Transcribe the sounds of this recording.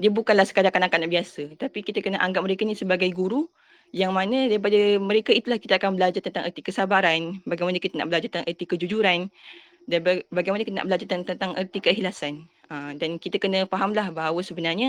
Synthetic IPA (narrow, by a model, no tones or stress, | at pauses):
diəbukanlahsə̥kadaŋkanakanaʔbiasət̪apikit̪akənəʔaŋɡap̚məɾekanĩsəbaɡajɡuɾu | jaŋmãnə̃daɾipadamə̃ɾekait̪ulahkit̪aakanbəlad͡ʒart̪ənt̪aŋʔərt̪ikəsabaɾanbaɡajmanəkit̪ana̰ʔbəlad͡ʒart̪əãʔərt̪ikəd͡ʒud͡ʒuɾan | danbbaɡajmanəkit̪əna̰ʔbəlad͡ʒart̪ənt̪ənt̪aŋʔərt̪ikəɦilasan | əmdankit̪akənəfaɦamlahbaɦawəsəbənarɲə